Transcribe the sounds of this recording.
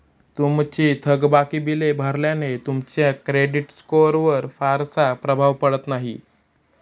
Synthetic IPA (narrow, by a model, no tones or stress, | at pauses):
t̪umt͡ɕiːt̪ʰəɡbakiːbilebʱaɾljanet̪umt͡ɕjakɾeɖiʈskoɾʋəɾfaɾsapɾəbʱaʋpəɽət̪naɦḭ